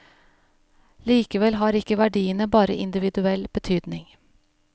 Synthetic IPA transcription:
liːkəʋɛlɦɑːɾɪkəʋæɖiːənəbɑːɾə̰ʔɪnd̪ɪʋɪd̪ʉɛlb̥ət̪ʰyːd̪nɪŋ

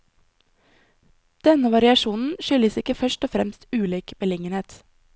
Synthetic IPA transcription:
d̪̥ɛnəʋɑɾɪɑʃuːnn̩ʃʏləsɪkəfœʃʈɔfɾɛ̰mst̪ʉːliːkbəlɪŋəneːt̪

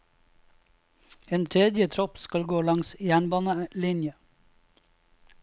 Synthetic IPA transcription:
eːnt̪ʰɾɛd̪jət̪ʰɾɔpskɑlɡoːlɑŋsjæːɳbɑːnəlɪnjə

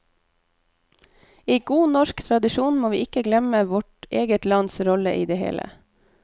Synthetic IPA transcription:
iːɡuːnɔʃkt̪ʰɾɑd̪ɪʃuːnmoːʋḭːʔɪkəɡlɛməʋɔʈʔeːɡət̪lɑnsɾɔlə̰ʔiːd̪eːhḛːlə̰

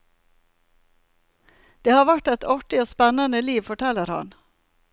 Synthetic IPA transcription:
d̪̥eːhɑːʋæʈɛt̪ʰɑʈɪoːspɛnənəliːʋfɔʈʰɛləɾhɑ̰n

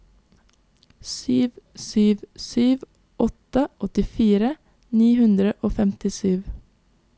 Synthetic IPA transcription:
syːʋsyːʋsyːʋ | ʔɔt̪əʔɔt̪ɪfiːɾə | niːhʉnd̪ɾəʔoːfɛmt̪ɪsyːʋ

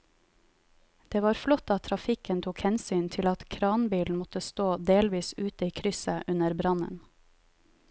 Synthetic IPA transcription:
d̪̥eːʋɑːɾflɔt̪ɑt̪ʰɾɑfɪkənt̪ʰuːkhɛnsyːnt̪ʰɪlɑt̪kʰɾɑːnbiːln̩mɔt̪əst̪oːd̪eːlʋiːsʉːt̪əiːkʰɾʏsəʔʉnəɾbɾɑnə̰n

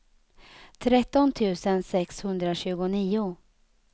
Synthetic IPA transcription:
t̪ʰɾɛt̪ːɔnt̪ʰʉ̟ːsənsɛkshɵnd̪ɾaɕʉ̟ːɡʊniːʊ

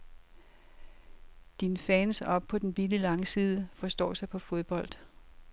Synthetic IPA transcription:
d̥infɛːnsɒ̽b̥̚pʰɒ̽d̥enb̥ililɑ̈ŋəsiːð̞ˠəfɒ̽sd̥ɒ̰ːsɑ̈ɪpʰɒ̽fo̝ð̞ˠb̥ɒ̽l̰d̥

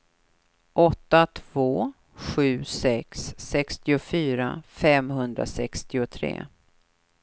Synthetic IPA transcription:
ʔɔt̪ːat̪ʰv̥oː | ɧʉ̟ːsɛksːɛkst̪ɪʊfyːɾa̰fɛmɦɵnd̪ɾa̰sɛkst̪ɪʊt̪ʰɾḛː

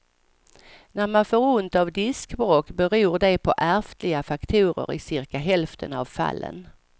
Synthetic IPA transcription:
næɾmanfoːɾʊnt̪avd̪ɪskbɾoːkbɛɾuːɖɛpʰɔʔæɾft̪lɪɡafakt̪ʰuːɾə̰ɾɪ̰sɪɾkaɦɛlft̪ʰənavfa̰lːə̰n

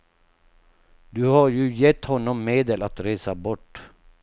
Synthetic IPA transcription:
d̪ɵhaɾjɵjɛt̪ːhɔnːɔmːeːd̪əlat̪ɾeːsabɔʈː

